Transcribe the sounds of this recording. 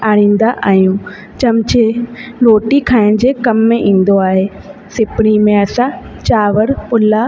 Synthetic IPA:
aːɽ̤̃ĩːn̆d̪aʔaːɦijũː | t͡ɕɐmt͡ɕeloːʈikʰaːɪɽ̃̆d͡ʑeːkɐmːẽʔĩːn̆d̪oaːɦe | sɪpɪɽ̃imẽɐsãt͡ɕaːʋəɾpʊla

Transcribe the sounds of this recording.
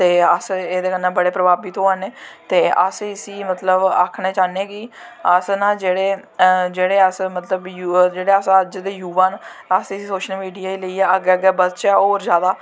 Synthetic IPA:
t̪eːəseːd̪eːkənːãːbəɽeːpɾəbaːbiːt̪õːaneːt̪eːʔə̰sɪsiːmət̪ləba̰kʰneːt͡ʃaːneːɡiəsnãːd͡ʒeːɽeːd͡ʒeːɽeːəsmət̪ləbjud͡ʒeːɽeːəsəd͡ʒd̪eːjuːʋaːnəsɪsiːsoːʃəlmiːɖijaːiːləiːɛːəɡɛːɡɛːbətt͡ʃɛːoːɾzjaːd̪aː

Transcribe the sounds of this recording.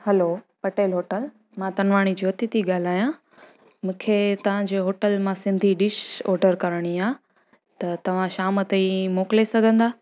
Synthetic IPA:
hɐlo | pɐʈeːlɦoːʈəl | mãt̪ɐnʋaːɽ̃id͡ʑoːt̪it̪iɠaːl̤aːjã | mũːkʰet̪ɐʋ̤ãd͡ʑeːɦoːʈəlmãsɪ̃nd̪ʱiɖɪʃɔːɖəɾkɐɾəɽ̃iaː | t̪ɐt̪ɐʋ̤ãʃaːmət̪ɐimoːklesɐɡʱə̃nd̪aː

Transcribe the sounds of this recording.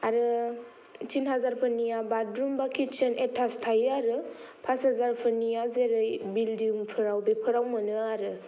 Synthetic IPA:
aɾɯ | tʰinɦazaɾpʰɯnijabadɾumbakʰit͡ʃʰenʔetʰastʰajɯaɾɯ | pʰashazaɾpʰɯnijazeɾɯjbildiuŋpʰɯɾawbepʰɯɾawmɯnɯaɾɯ

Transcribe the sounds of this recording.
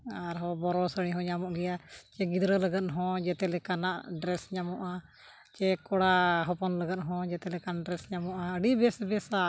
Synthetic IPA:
aɾɦɔ̃bɔɾɔsəɽ̃ĩɦɔ̃ɲamɔʔɡɛjat͡ʃɛɡid̪ɾələɡət̪̚ɦɔ̃d͡ʒɛt̪ɛlɛkanaʔɖɾɛsɲamɔʔa | t͡ʃɛkɔɽaɦɔpɔnləɡət̪̚ɦɔ̃d͡ʒɛt̪ɛlɛkanɖɾɛsɲamɔʔaəɖibɛsbɛsa

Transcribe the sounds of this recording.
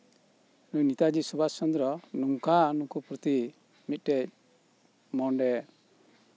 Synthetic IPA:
nuɲnit̪ad͡ʒisubasɔnd̪ɾɔnuŋkanukupɾɔt̪i | mit̪̚ˀʈɛc̚ | mɔɳɖɛ

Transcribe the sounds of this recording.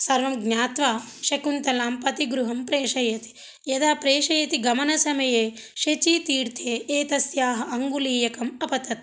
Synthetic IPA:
sɐɾʋɐmɡɲaːt̪ʋaː | ʃɐkunt̪ɐlaːmpɐt̪iɡɾuɦɐmpɾeːʂɐjɐt̪i̥ | jɐd̪aːpɾeːʃɐjɐt̪iɡɐmɐnɐsɐmɐjeː | ʃet͡ʃiːt̪iːɾt̪ʰeːeːt̪ɐsjaːɦɐʔɐŋɡuliːjɐkɐmɐpɐt̪ɐt̪̚

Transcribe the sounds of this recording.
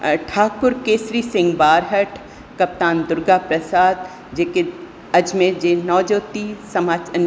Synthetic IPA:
ʈʰaːk̚pʊɾkeːsɾiːsɪ̃ŋɡbaːɾɦəʈʰ | kɐp̚t̪aːnd̪ʊɾɡapɾɐsaːd̪̚ | d͡ʒeːke | ɐd͡ʒmẽd͡ʒeːnɔːd͡ʒoːt̪isɐmaː

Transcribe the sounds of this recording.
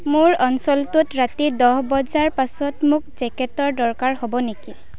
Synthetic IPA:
mʊɹɔnsɔltʊtɹatidɔɦbɔzaɹpasɔtmʊk̚zɛkɛtɔɹdɔɹkaɹhɔbɔneki

